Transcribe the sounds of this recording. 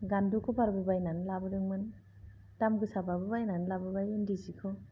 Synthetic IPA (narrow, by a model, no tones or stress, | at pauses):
ɡandukʰɔbaɾbɯbajnanlabɯɾɯŋmɯn | tamɡɯsababɯbajnanlabɯbajɯndizikʰɯ